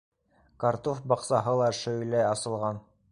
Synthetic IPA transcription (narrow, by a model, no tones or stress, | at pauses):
kaɾt̪ofbɑqsɑɦɤlˠɑʃɵ̆jlæjɑsɤ̆lˠʁɑn